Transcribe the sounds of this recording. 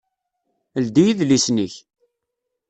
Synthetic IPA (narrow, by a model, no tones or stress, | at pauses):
əld̪ijiðlisniç